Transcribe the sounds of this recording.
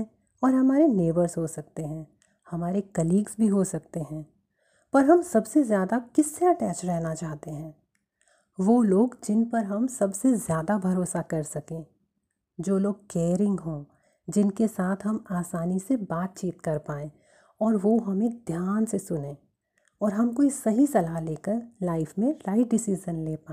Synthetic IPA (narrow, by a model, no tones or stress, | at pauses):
ɔːɾɦɐmaːɾeneːbəɾzɦosɐk̚t̪eɦɛ̃ | hɐmaːɾekɐliːɡsbʱiɦosɐk̚t̪eɦɛ̃ː | pɐɾɦɐmsɐbsezjaːd̪akɪsːeɐʈɛːt͡ʃɾɛɦnat͡ʃaːɦt̪eɦɛ̃ː | ʋoːloːɡd͡ʒɪnpɐɾɦɐmsɐbsezjaːd̪abʱɐɾoːsakɐɾsɐkẽː | d͡ʒoːloːɡ̚keːɾɪ̃ŋɡɦõ | d͡ʒɪnkesaːt̪ʰɦɐmaːsaːnisebaːt̪̚t͡ʃiːt̪kɐɾpaːẽ | ɔːɾʋoːɦɐmẽd̪ʱjaːnsesʊnẽː | ɔːɾɦɐmkoisɐɦisɐlaleːkəɾlaːɪfmẽɾaːɪʈɖɪsid͡ʒənleːpaː